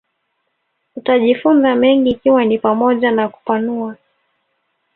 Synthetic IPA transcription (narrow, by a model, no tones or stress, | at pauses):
utaʄifunzamɛŋɡiːkiwanipamɔʄanaku̥panua